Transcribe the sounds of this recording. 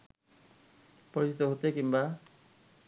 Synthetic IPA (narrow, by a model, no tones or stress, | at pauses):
pɔɾisi̥t̪ɔɦot̪ekimba